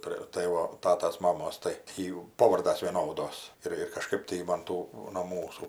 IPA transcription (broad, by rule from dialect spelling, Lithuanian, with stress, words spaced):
ˈpʲrʲeː ˈtɐɪ ʋɐ ˈtɑːtɐs ˈmɑːmoːs tɐɪ ˈjuː ˈpoːʋɐrdɐs ʋʲiɛˈnoːdoːs ˈɪr ɪr kɐˈʃkɜp tɐɪ jɪ mɐn ˈtuː noː ˈmuːsuː